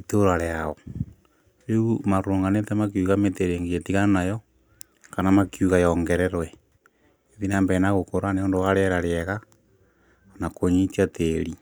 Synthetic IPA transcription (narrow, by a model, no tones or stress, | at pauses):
itoɾaɾeao | ɾeumaɾoːŋɡanetemak̬iuɣameteɾeŋɡeetiɣanajɔ | kanamakjuɣajɔŋɡeɾeɾwɛ | eðinambɛnaɣokoɾaneondowaɾeɾaɾeɛɣa | nakoɲit͡ʃiateɾi